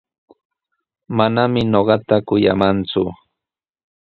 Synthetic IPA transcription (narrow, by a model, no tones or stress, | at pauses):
manamɪnoɢɑt̪akʊja̰mant͡sʊ